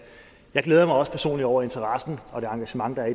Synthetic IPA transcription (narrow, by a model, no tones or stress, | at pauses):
jɑ̈ɪɡ̥leːð̞ˠɐmɑ̈ɪɒ̽spʰæɐso̝̰ːnliɒʊ̰ɐe̝nt͡sʰɐʁɑsn̩ɒ̽d̥e̝ɑ̈ŋɡ̥æɕəmɑ̈ŋd̥ɑ̈æɐi